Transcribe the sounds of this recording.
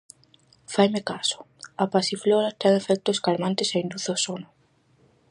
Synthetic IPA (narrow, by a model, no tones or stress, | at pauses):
fajmekasʊ̥ | apasifloɾat̪ɛŋefɛk̚t̪oskaɾmãnt̪ɪseind̪uθosonʊ